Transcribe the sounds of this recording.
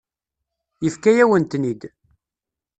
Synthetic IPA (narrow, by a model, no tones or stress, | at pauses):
jəfkæjæwənt̪nid̪